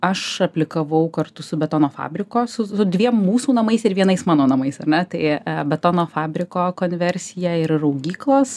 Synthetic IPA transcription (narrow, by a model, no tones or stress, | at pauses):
ɐʃɐpʲlʲɪkɐʋɐʊkɐrt̪ʊsʊbʲɛt̪oːnoːfɑ̰ːbʲɾʲɪkoːsʊsʊd̪ʲʋʲiɛmmuːsuːnɐmɐɪsɪɾʋʲiɛnɐɪsmɑːnoːnɐmɐɪsɐrʲnʲɛt̪ɐɪbʲɛt̪oːnoːfɑːbʲɾʲɪkoːkoːnʲʋʲɛɾʲsʲɪjɛɪɾɾɐʊɡʲiːklˠoːs